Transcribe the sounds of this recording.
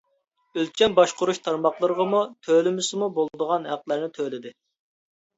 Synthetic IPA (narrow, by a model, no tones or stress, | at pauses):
ølt͡ʃʰʲɛnbɑʃqʊɾuʃt̪ʰɑɾmɑχlˠəɾəʁɑmut̪ʰølɪmɪsɪmubolˠd̪əʁɑnhæqlˠæɾnɪt̪ʰølɪd̪ɪ